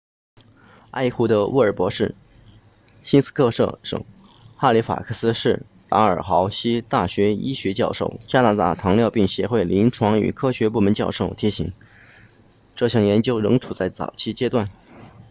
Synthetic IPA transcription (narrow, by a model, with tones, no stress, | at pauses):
a˥˧ɪxu˥˩d̪ə˧wṵ˥˩ə˞˨˩pwɔ˧˥ʂɻ̩˥˩ | ɕi˥nsɹ̩̥˥kʰɤ˥˧ʂɤ̰˥˩ʂɤ̰˨˩˦ŋ | xa˥˩li˧˥fa̰˨˩kʰɤ˥˩sɹ̩˥ʂɻ̩˥˩ | t̪a˧˥ə˞˨˩xɑ˧˥ʊɕi˥t̪a˥˩ɕɥɛ˧˥i˥ɕɥɛ˧˥t͡ɕjɑ˥˧ʊʂo˥˩ʊt͡ɕja˥na˧˥t̪a̰˥˩t̪ʰɑ˧˥ŋljɑ˥˧ʊpi˥˩ŋɕjɛ˧˥xwe˥˩ɪli˧˥nʈ͡ʂʰwɑ˧˥ŋy̰˨˩kʰɤ˥ɕɥɛ˧˥p̬u˥˩mə˧˥nt͡ɕjɑ˥˧ʊʂo˥˩ʊt̪ʰi˧˥ɕḭ˧˥ŋ | ʈ͡ʂɤ˥˧ɕjɑ˥˩ŋjɛ˧˥nt͡ɕjo˥ʊɻɤ̰˧˥ŋʈ͡ʂʰu˨˩t͡sa˥˩ɪt͡sɑ̰˨˩ʊt͡ɕʰi˥t͡ɕjɛ˥t̪wa˥˩n